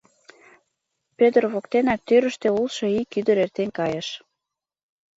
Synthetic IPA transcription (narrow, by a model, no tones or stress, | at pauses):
pøt̪ərβokt̪enɑk̚t̪øɾə̆ʃt̪øulʃɤ̆ikyd̪ə̆ɾert̪enkɑjəʃ